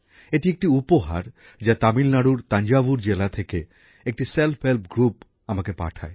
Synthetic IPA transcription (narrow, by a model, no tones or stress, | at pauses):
eʈiek̚ʈiupoɦa̰ɾ | d͡ʑat̪amilnaɽuɾt̪aɲd͡ʑabuɾd͡ʑelat̪ʰeke | ek̚ʈiselpʰhelpɡɾup | amakepa̰ʈʰa̰e